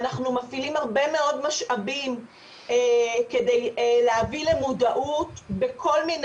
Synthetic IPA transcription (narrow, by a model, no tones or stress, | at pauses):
naχnumafilimhaʁbe̞me̞o̞dmaʃabim | ekedejleavile̞mudaʔutbekʰo̞lmin